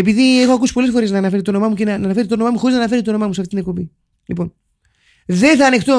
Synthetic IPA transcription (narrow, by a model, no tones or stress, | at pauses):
epiðie̞xoɐkusi̥po̞le̞sfo̞ɾe̞znɐːnɐfe̞ɾit̪ono̞mɐmucenɐnɐnɐfe̞ɾit̪ono̞mɐmuxo̞iznɐnɐfe̞ɾit̪ono̞mɐmuseɐft̪it̪inekpo̞bi | lipo̞n | ðe̞nθɐːne̞xt̪o